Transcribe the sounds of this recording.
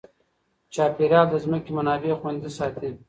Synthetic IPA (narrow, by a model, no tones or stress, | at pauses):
t͡ʃɑːpeɾjɑːld̪əzməkemanɑːbexwand̪isɑːt̪ʰi